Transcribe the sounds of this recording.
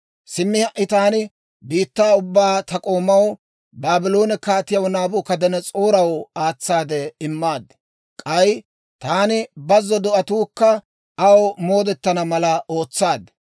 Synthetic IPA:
sɪmːɪhɐʔɪt̪aːnɪ | biːt̪ːaːʊbːaːt̪ɐkʼo̞ːmːɐw | baːbɪlo̞ːnɛkaːt̪ɪjɐwnaːbʊkɐd̪ɛnɛt͡sʼoːɾɐwaːt͡sːaːd̪ɛɪmːaːd̪ɛ | kʼɐj | t̪aːnɪbɐzːɔd̪ɔʔɐt̪uːkːɐ | ɐwmo̞ːd̪ɛt̪ːɐnɐmɐlɐo̞ːt͡sːaːd̪ɛ

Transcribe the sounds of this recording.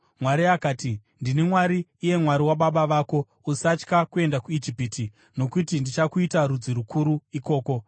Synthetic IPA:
mwaɾiakaːtindinemwaɾiːje̞mwaɾiwaɓaɓaʋaːko̞ | usat͡ʃkakue̞ndakuid͡ʒipiːti | no̞kutindit͡ʃakuitaɾud͡ziɾukʰuɾuiko̞ːko̞

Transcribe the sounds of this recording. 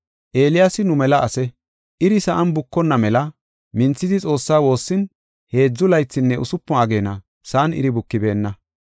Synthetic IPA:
ʔeːlɪjasɪnʊmɛlɐʔɐsɛ | ʔɪɾɪsɐʔɐnbʊkːɔnːɐmɛlɐ | mɪnt͡sːɪd̪ɪt͡sʼo̞ːsːaːwo̞ːsːɪn | he̞ːd͡zːʊlɐjt͡sːɪnːɛʔʊsʊpːɔɐɡe̞ːnɐ̰ | saːnɪ̰ɾɪbʊkːɪbe̞ːnːɐ

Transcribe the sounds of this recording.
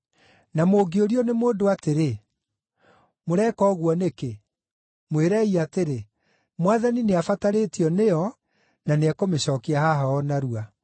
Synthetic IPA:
namoɡeoɾiɔnemoːdoateɾe | moɾɛkɔːɣwɔneke | mweɾɛiateɾe | mwaðanineafataɾetiɔnejɔ | naneakomeɕɔkiahaɦaɔnaɾua

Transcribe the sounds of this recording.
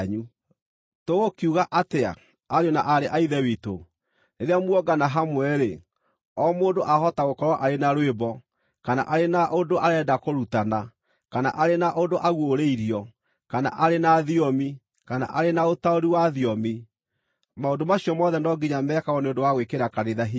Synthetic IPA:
ɲu | toɣokiuɣaʔatea̰ | aɾeɔnaʔaɾeʔaiðɛwito̰ | neðeamwɔɡanaɦamwɛɾe | ɔmoːdoʔaɦɔtaɣokɔɾwɔʔaɾenaɾwebɔ | kana̰ʔaɾenaʔondoʔaɾɛːdakoɾutana | kana̰ʔaɾenaʔodoʔaɣwoɾeiɾiɔ | kana̰ʔaɾenaðiɔmi | kana̰ʔaɾenaotaoɾiwaðiɔmi | maondomaɕiɔmɔðɛndɔɡiɲamɛkaɣɔneodowaɣwekeɾakaɾeðaɦi

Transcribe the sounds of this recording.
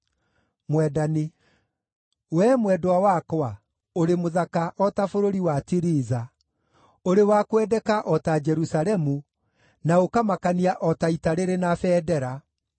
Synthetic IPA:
mwɛdani | wɛmwɛdwawakwa | oɾemoðakaʔɔtafoɾoɾiwatiɾiːza | oɾewakwɛdɛkaʔɔtad͡ʒɛɾusaɾɛmu | naokamakaniaʔɔtaitaɾeɾenafɛːdɛɾa

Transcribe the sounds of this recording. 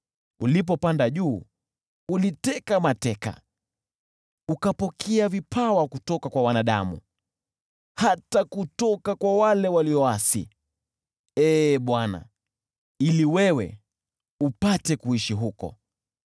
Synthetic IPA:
ulip̬ɔpandaʄuː | ulitɛkamatɛka̰ | ukapɔkʰɛavipʰawakutɔkakwawanaɗa̰mṵ | hatakutɔkakwawalɛwaliɔwasḭ | ɛːɓwana̰ | iliwɛwɛ̰ | upatɛkuiʃiɦukɔ̰

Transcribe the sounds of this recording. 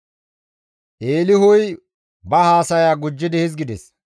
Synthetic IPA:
ʔeːlɪɦʊj | bɐhaːsɐjaːɡʊd͡ʒːɪd̪ɪhɪzɡɪd̪ɛs

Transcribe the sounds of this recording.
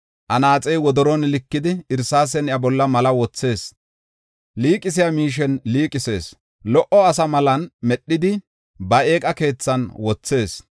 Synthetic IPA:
ʔɐnaːt͡sʼɛjwɔd̪ɔɾɔnlɪkːɪd̪ɪɪɾsaːs̬ɛnjɐbɔlːɐmɐlɐwɔt͡sːe̞ːs | liːkʼːɪs̬ɪjamiːʃ̬ɛnliːkʼɪse̞ːs | lɔʔɔɐsɐmɐlɐnmɛɗːɪd̪ɪ | bɐeːkʼɐke̞ːt͡sːɐnwɔt͡sːe̞ːs

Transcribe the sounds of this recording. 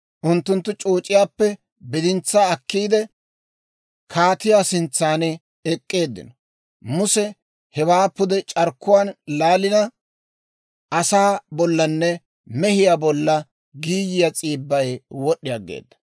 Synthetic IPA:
ʔʊnt̪ːʊnt̪ːʊt͡ʃʼoːt͡ʃʼːɪjaːpːɛ | bɪd̪ɪnt͡sːaɐkːiːd̪ɛ | kʰaːt̪ɪjaːsɪnt͡sːaːn | ɛkʼːe̞ːd̪ːɪ̰nɔ | mʊsɛ | hɛwaːpːʊd̪ɛt͡ʃʼɐɾkːʊwaːnlaːlɪnɐ | ʔɐsaːbɔlːɐnːɛ | mɛhɪjabɔlːɐ | ɡiːjɪjat͡sʼiːbːɐjwɔɗːɪjaɡḛːd̪ːɐ̥

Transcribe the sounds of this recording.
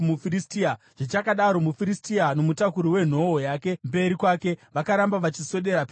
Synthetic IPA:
mufiristia | ʐ̥it͡ʃakaɗaɾo̞mufiɾistiano̞mutakuɾiwe̞n̤o̞ojaːke̞mbe̞ɾikwake̞ʋakaɾambaʋat͡ʃiso̞ɗe̞ɾap

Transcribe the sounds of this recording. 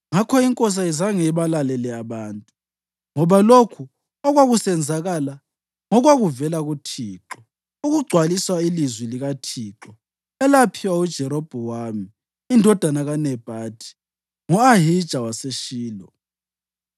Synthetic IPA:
ŋakʰɔiŋkʼɔs̬aizaŋeβalalɛlɛaβaːntʼu | ŋɔβalokʰu | ɔɣwaɣusɛnd͡zʱaɣala | ŋɔɣwaɣuvɛlaɣutʰiːǁɔ | uɣuɡ͡ǀʱwaliswailizwiliɣatʰiːǁɔ | ɛlapʰiwaud̥ʒ̥ʱɛɾɔb̥ʱɔwamiː | ndʱɔd̥ʱanaɣanɛb̥ʱaːtʰi̥ | ŋɔaɦid̥ʒ̥ʱawaseʃiːlɔ

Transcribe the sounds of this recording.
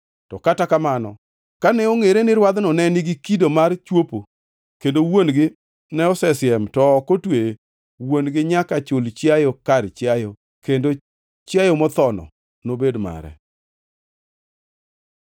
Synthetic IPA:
tɔkatakamanɔ | kanɛoŋeɾenɪɾwad̪nɔnɛnɪɡɪkidomart͡ʃwopo | kendowonɡɪ | nɛɔsɛsɪɛmtɔːkotwe | wonɡɪɲakat͡ʃʊlt͡ʃjajokart͡ʃjajo | kendo | t͡ʃjajomɔt̪ɔnɔ̰ | nobedma̰ɾɛ̰

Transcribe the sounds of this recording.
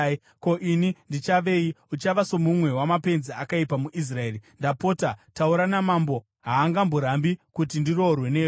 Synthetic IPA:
ko̞ʔinindit͡ʃaʋe̞jiut͡ʃaʋaso̞mumwe̞wamape̞nziakaipamuʔis̬rae̞ːrindapo̞tatauɾanamambo̞ | ɦaːŋɡamboɾambikutindiro̞rwe̞ne̞ːo

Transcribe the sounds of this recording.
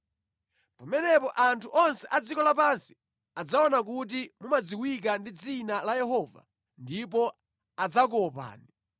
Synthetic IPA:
pamɛnɛpɔʔantʰuʔɔnsɛʔad͡zikɔlapansi̥ | ad͡zaɔnak̬ut̬imumad͡ziwik̬andid͡zinalajɛɦɔva̰ | ndipɔ | ad͡zak̬ɔpa̰ːni

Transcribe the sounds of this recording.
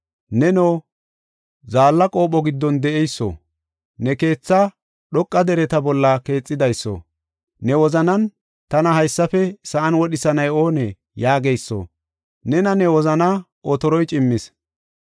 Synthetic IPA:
nɛnoː | zaːlːɐkʼo̞ːɓɔɡɪd̪ːɔnd̪ɛʔɛjsːo̰ | nɛke̞ːt͡sːɐ | ɗɔkʼːɐd̪ɛɾɛt̪ɐbɔlːɐke̞ːt͡sʼːɪd̪ɐjsːo̰ | nɛwɔzɐnɐn | t̪ɐnɐhɐjsːɐfɛsɐʔɐnwɔɗɪsɐnɐjo̞ːnɛ | jaːɡejsːo̰ | nɛnɐnɛwɔzɐnɐ | ɔt̪ɔɾɔjt͡ʃʼɪmːɪs

